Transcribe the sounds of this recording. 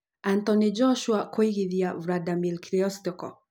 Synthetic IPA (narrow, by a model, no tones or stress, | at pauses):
ant̪ɔnid͡ʒɔʃuakɔiɣiðiavɾadamilkɾiɔst̪ɔkɔ̰